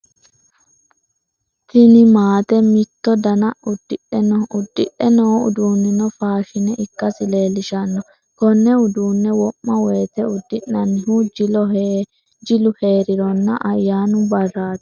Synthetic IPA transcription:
t̪ɪnɪmaːt̪ɛmɪt̪ːɔd̪ɐnɐʔʊd̪ːɪʔɛnɔʊd̪ːɪʔɛnɔʊ̰d̪uːnːɪnɔfaːʃɪnɛʔɪkːɐsɪle̞ːlɪʃɐnːɔ | kɔnːɛʊd̪uːnːɛwɔmːɐweːt̪ɛʊd̪ːɪʔːɐnːɪhud͡ʒ | d͡ʒɪlʊhe̞ːɾɪɾɔnːɐ̰ʔɐjːaːnʊbɐrːaːt̪

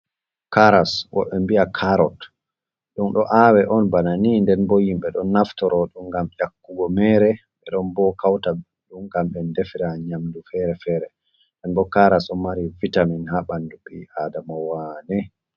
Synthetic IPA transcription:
kaɾaswɔ̰ɓɛmbiakʰaɾɔt | ɗunɗɔʔawɛʔɔnbananindɛnbojimɓɛɗɔnːaftɔɾɔɗumɡamjakːuɡɔmɛɾɛ | ɓɛɗɔnbɔkawta | ɗumɡamɓɛndefiɾaɲamdufɛɾɛfɛːɾɛ | ɛnbɔkaɾasɔmaɾivitaminhaɓanduɓiaːdamawanɛ

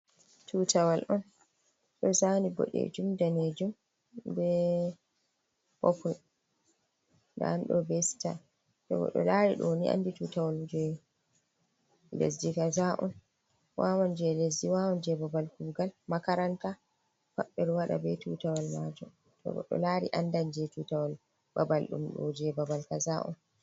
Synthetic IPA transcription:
tʰutawalʔɔn | ɗɔsanibɔ̰ɗɛ̰d͡ʒumdaned͡ʒum | bɛ | pɔkul | da̰anɗɔbɛsta̰ | tɔɡɔ̰ɗɔ̰laɾiɗoniʔa̰ndituːtawald͡ʒɛ | lḛsdikazaʔɔn | wʔawɔnd͡ʒɛlesdiwawɔnd͡ʒɛbabalkuɡalmakaɾanta | faɓːɛɗɔwaɗa̰bɛtutawalmad͡ʒɔ | tɔ̰ɡɔ̰ɗɔ̰laɾḭʔandand͡ʒɛtutawal | babalɗṵmɗɔ̰d͡ʒɛbabalkazaʔɔ̰n

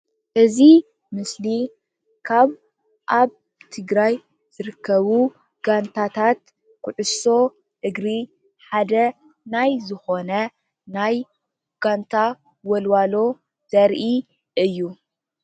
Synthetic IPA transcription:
ʔɨzi | mɨsli | kʰaβ | ʔaβ | t̪ʰɨɡɾaj | z̥ɨɾɨkʰːɐβu | ɡ̥ant̪ʰat̪ʰat̪ | kʰʊʕʊso̞ | ʔɨɡɾi | ħad̪ɐ | najzɨxo̞nɐ | naj | ɡ̥ant̪ʰa | wɔlwalo̞ | z̥ɐɾʔi | ʔɨjːu

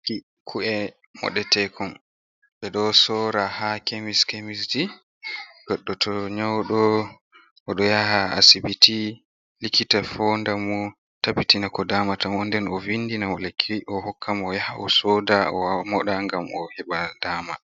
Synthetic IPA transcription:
ki | kʰuɛ | mɔ̰ɗɛtɛkʰɔn | ɓɛɗɔsɔɾahakemiskemisd͡ʒi | ɡ̥ɔɗːɔtʰɔɲawɗɔ | ɔɗɔjahaa̰sibiti | likitafɔndamɔ | tabitinakɔdaːmatamɔndɛnɔvinːdinamɔlakʰːiʔɔhɔkʰːamɔjahaʔɔsɔdaɔmɔɗaŋɡamɔ̰hɛɓadama

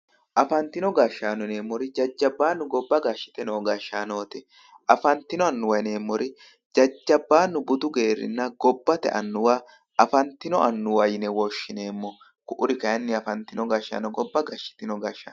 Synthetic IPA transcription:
ʔɐfɐnt̪ːɪnɔɡaʃːaːnɔne̞ːmːɔɾɪd͡ʒɐd͡ʒːɐbːaːnːʊɡɔbːɐɡaʃːɪ̥t̪ɛnoːɡaʃːaːno̞ːt̪ɪ | ʔɐfɐnt̪ːɪnɔɐnːʊwɐjne̞ːmːɔɾɪ | d͡ʒɐd͡ʒːɐbːaːnːʊbʊd̪ʊɡe̞ːɾɪ̰nːɐɡɔbːɐt̪ɛ̰ʔɐ̰nːʊwaː | ʔɐfɐnt̪ːɪnɔʔɐnːʊwɐjɪnɛwɔʃːɪneːmːɔ | kʊʔʊɾɪkɐjɐnːɪɐfɐnt̪ɪnɔɡɐʃa̰ːnɔɡɔbːɐɡɐʃːɪ̥t̪ɪnɔɡɐʃa̰

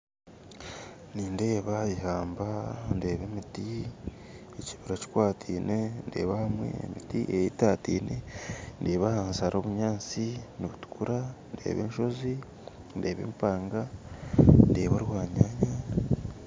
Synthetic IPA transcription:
niːnde̞ːβaβiɦaːmbande̞ːβe̞miti | eciβiɾaci̥kwaːtʰiːne̞nde̞̰ːβahamwe̞̰ːmitiʔejetaːtḭːne̞nde̞ːβahaːnzaɾʔo̞ːβuɲaːnt͡siniβutu̥kuɾande̞̰ːβe̞ːnʃo̞zi | nde̞ːβe̞̰ːmpaːŋɡa | nde̞ːβaɾwaːɲaɲa

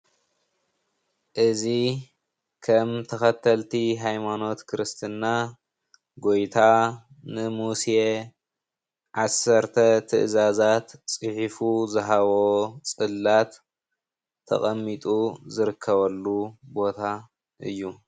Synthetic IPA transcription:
ʔɨzi | kʰɐmt̪ʰɐxɐt̪ʰːɐlt̪ʰiɦajmano̞t̪kʰɨɾɨst̪ʰɨnːa | ɡo̞jt̪ʰa | nɨmusje | ʕasɐɾt̪ʰɐt̪ʰɨ̰ʔzazat̪t͡sʼɨħifuzɐɦaβo̞t͡sʼɨlːat̪ʰ | ɐ̰χʼɐmːit̪ʼuzɨɾɨkʰːɐβɐlːubo̞t̪ʰa | ʔɨ̰jːu

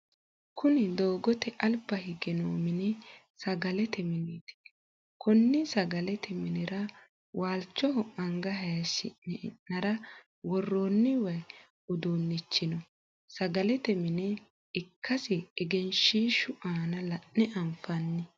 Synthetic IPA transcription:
kʊnɪd̪oːɡɔt̪ɛʔɐlbɐhɪɡɛnoːmɪnɛ | sɐɡɐlɛt̪ɛmɪniːt̪ɪ̥ | kɔnːɪsɐɡɐlɛt̪ʰɛmɪnɪɾɐ | wʔaːlt͡ʃːɔɦɔʔɐŋɡɐɦɐjɐʃɪ̰nːɛɪ̰nːɐɾɐ | wɔrːoːnːɪwɐj | ʊd̪oːnːɪt͡ʃːɪnɔ | sɐɡɐlɛt̪ɛmɪnɛ | ɪkʰːɐsɪːɡɛnʃiːʃʊʔaːnɐlɐnːɪʔɐmfɐnːɪ

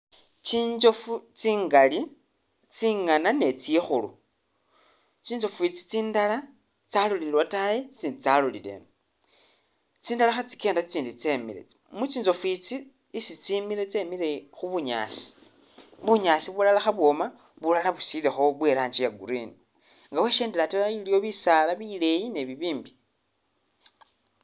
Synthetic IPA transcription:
t͡ʃiːɲd͡ʒo̞fut͡siːŋɡali | t͡siŋanane̞t͡sijexulṵ | t͡ʃiːnd͡ʒo̞fuit͡si̥t͡siːndala | t͡salulilwatajet͡siːndit͡salulḭlḛn | t͡siːndalaxat͡si̥ke̞ːndat͡siːndit͡semḭɾḛ | mut͡ʃiːnzo̞fwit͡si | isit͡simiɾe̞t͡se̞milexuβuɲa̰si̥ | βuɲaːsiβulalaxaβwo̞ma | βulalaβusilexo̞βwe̞ːɾaːɲt͡ʃijaɡṵɾini | ŋɡawe̞ʃeːndelatilailijo̞βisalaβile̞jine̞βiβiːmbi

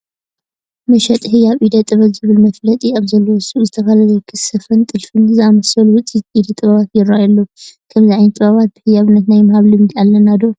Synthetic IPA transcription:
mɐʃɐt̪ʼhɨjaβʔid̪ɐt̪ʼːɨβɐtzɨβɨlmɐflɐt̪ʼiaβzɐlːowɨsʼuzɨt̪ʰɐfalɐzɐjkʰɨsɨfɐnt̪ʼɨlfɨnzɨamɐsɐlwʊt͡sʼːit̪id̪ɐt̪ʼɨβaβat̪jɪɾːaajalːokʰɐmziʕajnt̪ʼɨβaβat̪̚b̥ɨhɨjaβɨnːɐt̪najmahaβlɨmd̪ialːɐnad̪o

